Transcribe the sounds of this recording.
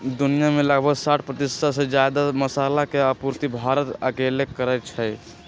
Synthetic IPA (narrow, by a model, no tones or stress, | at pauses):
d̪unijameləɡbʱəɡsaʈʰpɾət̪ist̪ʰased͡ʒad̪aməsalakeəpuɾt̪ibʱaɾət̪əkelekːəɾɛt̪̚t͡ʃʰɛj